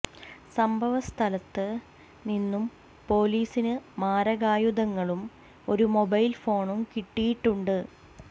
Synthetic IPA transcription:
sɐmbʱɐʋɐst̪ʰɐlɐt̪ːɨ | ninːum | po̞ːliːsinɨmaːɾɐɣaːjud̪ɐŋːɐɭum | o̞ɾumo̞bɐjlfo̞ːɳumkiʈːijiʈːuɳɖɨ

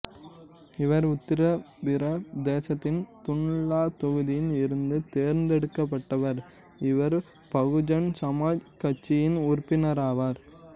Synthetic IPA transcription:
ɪʋɐɾʊt̪ːɪɾɐ | ʋɪɾɐd̪eːsɐt̪ːɪnt̪ʊɳɭaːt̪ɔɣɯðɪjɪnɪɾɯnd̪ɯt̪eːɾnd̪ɛɽɯkːɐpːɐʈːɐʋɐɾ | ɪʋɐɾ | pɐɣɯd͡ʒɐnsɐmaːd͡ʒkɐt͡ʃːɪjɪnʊɾpːɪnɐɾaːʋaːɾ

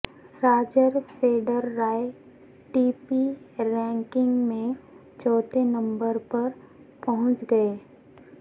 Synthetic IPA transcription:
ɾaːd͡ʒəɾfʰeːɖəɾːaːe | ʈiːpiɾɛ̃ːŋkɪ̃ŋɡmẽ | t͡ʃɔːt̪enə̃mbəɾpɐɾ | pɐɦʊ̃t͡ʃɡɐeː

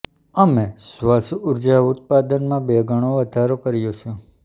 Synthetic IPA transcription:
əmesʋasuʊɾd͡ʒaʊt̪̚pad̪ənmãbeɡəɽ̃oʋəd̪ʱaɾokəɾjõt͡ʃʰõ

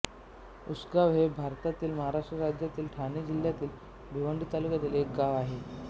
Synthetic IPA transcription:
usɡaʋɦebʱaɾt̪at̪iːlməɦaɾaʂʈɾəɾad͡ʑjat̪iːlʈʰanid͡ʑiljat̪iːl | bʱiʋəɳɖʱit̪alukat̪iːlek̚ɡaʋaɦe

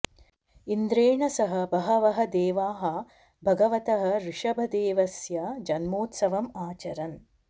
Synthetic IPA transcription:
ind̪ɾeːɳɐsɐɦɐ̆bɐɦɐʋɐɦɐ̆d̪eːʋaːɦɐ̆ | bʱɐɡɐʋɐt̪ɐɦɐ̆ɾiʂɐbʱɐd̪eːʋɐsjɐd͡ʒɐnmoːt̪sɐʋɐmaːt͡ʃɐɾɐn

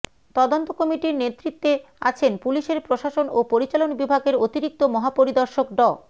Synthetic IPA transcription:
t̪ɔd̪ont̪okɔmiʈiɾnet̪ːɾit̪ːe | a̰t͡ɕʰenpuliʃeɾpɾoʃaʃonopoɾit͡ɕalonbibʱaɡeɾot̪iɾik̚t̪omɔɦapoɾid̪ɔɾʃokɖɔ

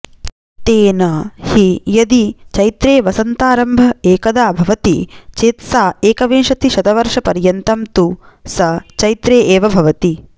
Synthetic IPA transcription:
t̪eːnɐhijɐd̪it͡ʃɐjt̪ɾeːʋɐsɐnt̪aːɾɐmbʱɐeːkɐd̪aːbʱɐʋɐt̪it͡ʃeːt̪saːeːkɐʋeːʂɐt̪iʃɐd̪ɐʋɐɾʂɐpɐɾjɐnt̪ɐmt̪usɐt͡ʃɐjt̪ɾeːʔeːʋɐbʱɐʋɐt̪i

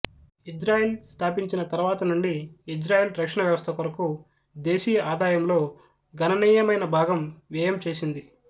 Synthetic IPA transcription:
id͡ʒɾaːjelst̪ʰaːpiɲt͡ʃinɐt̪ɐɾuʋaːt̪ɐnuɳɖiːd͡ʒɾaːjeːlɾɐkʂɐɳɐʋjɐʋɐst̪ʰɐkuɾɐku | d̪e̞ːʃiːʔaːd̪aːjɐmlo̞ː | ɡɐnɐniːjɐmɐjnɐbʱaːɡɐmʋɛːjɐmt͡ʃe̞ːsind̪i

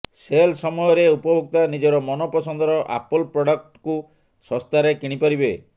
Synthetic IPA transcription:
selsɔmɔjɔɾeupɔbʱok̚t̪anid͡ʒɔɾɔmɔnɔpɔsɔnd̪ɔɾɔʔa̰pɔlpɾɔɽɔk̚ʈku | sɔ̃st̪aɾekiɽ̃ipɔɾibe

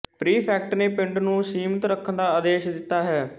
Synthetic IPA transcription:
pɾiːpʰɛːk̚ʈneːpɪɳʈnũːsiːmət̪ɾəkʰːənd̪aːəːd̪eːʃd̪ɪt̪ːaːɦɛː

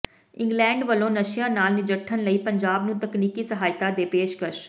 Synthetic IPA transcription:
ɪ̃ŋɡlɛ̃ːɳɖʋəlõːnəʃɪjãːnaːlnɪd͡ʒəʈʰːənləiːpəɲd͡ʒaːbnũːt̪əkniːkiːsəɦaːjt̪aːd̪eːpeːʃkəʃ

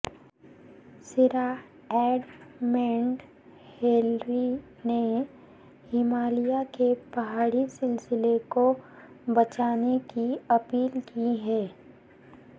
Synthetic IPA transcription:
sɪɾa | ɛːɖmɛ̃ːɳɖ | heːlɾi | ne | hɪmaːlijakepɐɦaːɽisɪlsɪleko | bɐt͡ʃaːnekiɐpiːlkiɦɛː

